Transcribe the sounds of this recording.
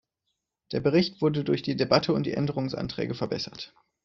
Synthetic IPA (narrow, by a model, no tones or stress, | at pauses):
d̥eːɐbəʁɪçtv̥ʊɐdədʊɐçd̥iːdebatʰəʊnt̚d̥ḭːʔɛndəʁ̞ʊŋsʔa̰ntʁ̥ɛ̰ːɡəfɛɐbɛsɐt